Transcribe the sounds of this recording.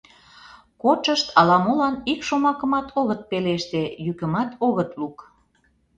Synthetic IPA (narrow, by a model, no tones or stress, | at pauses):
kot͡ʃəʃt̪ʰɑlɑmolɑnikʃomɑkə̆mɑt̪ʰoɣət̪̚peleʃt̪ejykə̆mɑt̪oɣət̪luk